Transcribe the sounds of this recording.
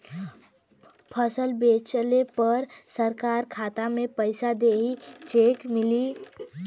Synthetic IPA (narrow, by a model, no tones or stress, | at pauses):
pʰəsəlbet͡ʃəlepəɾsəɾkaɾkʰat̪amepəjsad̪eɦit͡ʃekmili